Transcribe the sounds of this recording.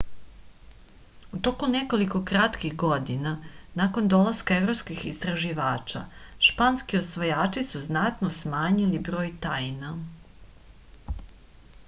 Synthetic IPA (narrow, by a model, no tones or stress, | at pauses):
ut̪o̞kuneko̞liko̞kɾat̪kixɡod̪inanako̞nd̪o̞lˠaskaevɾopskixist̪ɾaʒiʋaːt͡ʃa̰ʃpanskiosʋojaːt͡ʃisuznat̪nosmaːɲilibɾo̞ːjt̪ajna